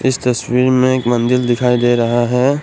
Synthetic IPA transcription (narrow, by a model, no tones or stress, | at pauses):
ɪst̪ɐswiːɾmẽeːkmɐ̃nd̪ɪld̪ɪkʰaːid̪eːɾɐɦaɦɛː